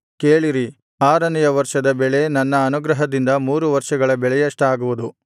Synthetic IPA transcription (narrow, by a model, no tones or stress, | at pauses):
keːɭiɾi | aːɾɐnɐjɐʋɐɾʂɐd̪ɐbɛɭe̞nɐnːɐːnuɡɾɐɦɐd̪ind̪ɐmuːɾuʋɐɾʂɐɡɐɭɐbɛɭɛjɐʂʈaːɡuʋud̪u